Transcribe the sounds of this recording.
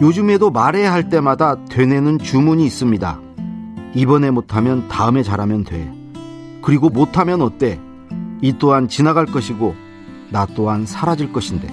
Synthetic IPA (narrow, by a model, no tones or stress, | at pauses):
jod͡ʑɯme̞domaɾe̞ɦaɭt͈e̞madatwe̞ne̞nɯnt͡ɕumuɲiːs͈ɯmɲida̰ | ibʌne̞motʰamjʌntaɯme̞t͡ɕaɾamjʌndwe̞ | kɯɾiɡomotʰamjʌnʌt̚t͈e̞ | it͈oɦant͡ɕinaɡaɭk͈ʌɕʰiɡo | nat͈oɦansʰaɾad͡ʑiɭk͈ʌɕʰinde̞̰